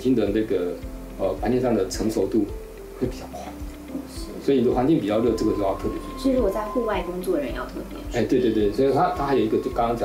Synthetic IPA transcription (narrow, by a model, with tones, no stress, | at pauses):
t͡ɕi˥ŋd̪ə˩na˥˩ɡə˩ | ə˧˩ka˥nɛ˥˧ʂɑ˥˩ŋd̪ə˩ʈ͡ʂʰɤ˧˥ŋʂo˧˥ʊt̪u˥˩ | xwe˥˩ɪpi˨˩t͡ɕɑ˥˩ʊkʰwa˥˩˥ | swɔ˧˥i˨˩ni˨˩˥wa˧˥nt͡ɕi˥˩ŋpi˨˩t͡ɕjɑ˥˧ʊlɤ˥˩ʈ͡ʂɤ˥˩ɡə˩t͡ɕjo˥˧jɑ˥˧ʊt̪ʰɤ˥˩pjɛ˧˥˩ʂ̩˥u˥˩wɔ˨˩t͡sa˥˧ɪxu˥˧wa˥˩ɪkʊ˥ŋt͡swɔ˥˩ɻə˧˦njɑ˥˧ʊt̪ʰɤ˥˩pjɛ̰˧˥e˥˩ɪwe˥˧t̪we˥˧t̪̬swɔ˧˥i˨˧˩t̪ʰa˥t̪ʰa˥xa˧˥jo˨˩˧ɡə˧˩t͡ɕo˥˩kɑ˥ŋkɑ˥ŋt͡ɕjɑ˨